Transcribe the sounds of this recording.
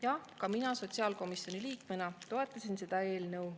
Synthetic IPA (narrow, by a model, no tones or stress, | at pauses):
jɑkɑminɑso̞t̪ʲsiɑːlko̞misjo̞niliːkmenɑt̪o̞e̞t̪ːˑɑsinse̞d̪̥ɑe̞ːlnɤw